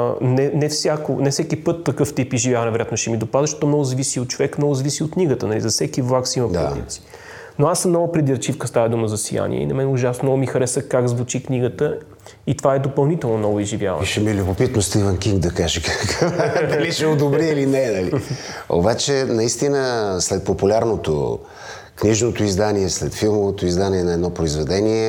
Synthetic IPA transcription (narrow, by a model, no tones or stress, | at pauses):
nɛnɛfsʲjakonɛfsɛkipɤt̪ːɐkɤft̪ipizʒivʲjavɐnɛvɛɾojat̪noʃɛmid̪opazəʃt̪ɔt̪ɔmnɔɡʊzɐvisiot̪̚t͡ʃovɛkmnɔɡʊzɐvisiot̪̚kniɡət̪ənɐlḭzɐfsɛkivlˠaksiməpd̪ḭt̪si̥ | noasːəmnɔɡʊpɾɛd̪iɾt͡ʃifkəst̪avɐd̪uməzɐsḭja̰nḭɛ̰ḭnɐmɛnɛʊʒasnoɡʊmixɐɾɛsəkaɡzvʊt͡ʃikniɡət̪ə | it̪ovaɛd̪opɐlˠnit̪ɛlˠnonɔvʊizʒivja̰və̰nʃɛmilʲubopit̪nost̪ivɛnkiŋɡd̪ɐkaʒɛkkd̪ɐliʃɛod̪obɾiilinɛnɐlio̰bat͡ʃɛnɐist̪inəslɛt̪̚populʲaɾnot̪o̰ | kniʒnot̪oizd̪aniɛslɛt̪filˠmovot̪oizd̪aniɛnɐɛd̪nɔpɾoizvɛd̪ɛniɛ